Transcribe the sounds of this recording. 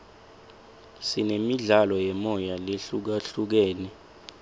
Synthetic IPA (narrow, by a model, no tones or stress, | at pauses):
sinemiɮalɔjɛmɔjaleɬuk̬aɬuk̬ɛːnɛ